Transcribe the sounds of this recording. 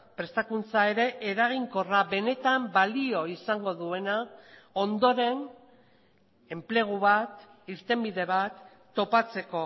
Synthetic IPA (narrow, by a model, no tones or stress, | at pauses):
pɾe̞st̪akunt͡sae̞ɾe̞ʔeɾaɣ̞iŋko̞raβe̞ne̞t̪ambalio̞isaŋɡo̞ðue̞nao̞nd̪o̞ɾe̞n | e̞mple̞ɣ̞uβat̪ | iɾt̪e̞mbiðe̞βat̪ː | o̞pat͡se̞ko̞